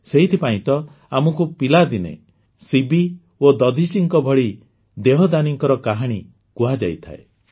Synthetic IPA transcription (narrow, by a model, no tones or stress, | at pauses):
seɦit̪ʰipaĩt̪ɔ | amɔkupilad̪inḛ | sibi | od̪ɔd̪ʱisiŋkɔbʱɔɽi | d̪eɦɔd̪aniŋkɔɾɔkaɦaɽ̃i | kuɦad͡ʒa̰jt̪ʰa̰ḛ